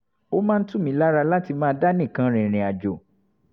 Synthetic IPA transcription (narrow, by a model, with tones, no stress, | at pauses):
o˦mãː˦n̩˦tũ˦mĩ˦la˦ɾa˧la˦ti˧mãː˦da˦nĩ˦˨kã˧˦ɾ̃ĩ˨ɾ̃ĩ˨a˨d͡ʒo˨